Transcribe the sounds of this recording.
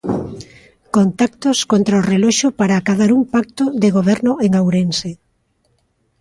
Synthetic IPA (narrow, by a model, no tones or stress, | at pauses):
kont̪ak̚t̪oskont̪ɾaorelɔʃopaɾaːkaðaɾumpak̚t̪oðeɣoβ̞ɛɾnʊeŋawɾense